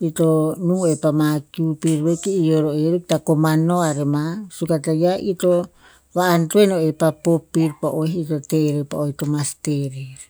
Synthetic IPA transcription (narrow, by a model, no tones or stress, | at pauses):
it̪onuepamakupiɾwekiijoɾoeɾek̚t̪akomanoaɾemasukat̪ajaʔit̪o | βaːnt̪uenoepapopiɾpaʔoɦit̪ot̪eɾepa̰oit̪omast̪eɾeɾ